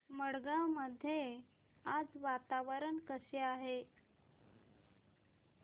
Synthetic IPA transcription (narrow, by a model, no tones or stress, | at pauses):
məɽɡaməd̪ʱːje | ad͡zʋat̪aʋəɾənkəseaɦe